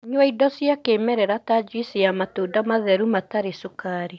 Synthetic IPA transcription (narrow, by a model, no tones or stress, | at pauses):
ɲwaidɔsjakeːmɛɾɛɾatad͡ʒwisijamatodamaðɛɾumataɾesukaɾi